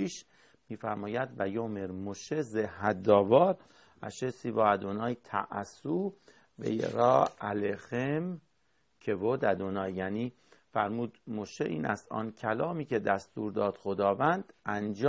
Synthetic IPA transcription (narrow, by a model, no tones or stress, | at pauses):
iʃ | miːfæɾmɒːjæd̪væjoːmeɾmoʃezehɦæd̪ɒːvɒːɾ | æ̰ʃesiːvɒːæd̪onɒːjt̪ʰæ̰ʔsuː | vḛjḛɾɒːælexem | kʰevod̪æd̪onɒːjːæniː | fæɾmuːd̪moʃeʔḭːnæ̰st̪ɒ̰ːncʰælɒːmiːcʰed̪æst̪uːɾd̪ɒːd̪̥xod̪ɒːvænd̪ʔænd͡ʒ